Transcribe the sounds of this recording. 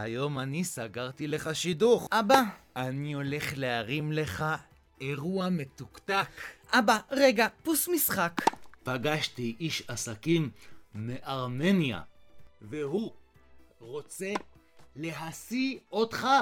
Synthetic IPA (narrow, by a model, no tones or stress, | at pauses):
hajo̞manisaɡaʁt̪ileχaʃiduχʔaba | anio̞le̞χleaʁimle̞χa | e̞ʁuame̞t̪ukt̪akʔabaʁe̞ɡapusmisχakpaɡaʃt̪iʔiʃasakimːeʔaʁme̞nja̰vehu | ʁo̞t͡se̞le̞ɦasiotχa